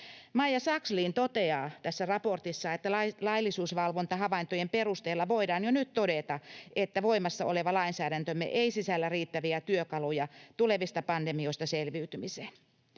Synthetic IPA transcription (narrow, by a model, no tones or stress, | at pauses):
mɑijːɑsɑksliːnt̪ot̪eɑːt̪æsːærɑport̪isːɑet̪ːælɑlɑilːisuːsʋɑlʋont̪ɑhɑʋɑint̪ojemperust̪eːlːɑʋoidɑːnjonyt̪t̪odet̪ɑʔet̪ːæʋoimɑsːɑoleʋɑlɑinsæːɾænt̪ømːḛʔeisisælːæriːt̪ːæʋiæt̪yøkɑlojɑt̪uleʋist̪ɑpɑndemioist̪ɑselʋiːt̪ymiseːn